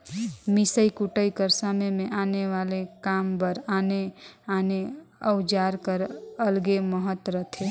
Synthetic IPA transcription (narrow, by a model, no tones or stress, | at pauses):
misəikuʈəikəɾsəməjmẽʔaːneʋaːlekaːmbəɾaːneaneəʊd͡ʒaːɾkəɾəlɡeməɦət̪ɾət̪ʰe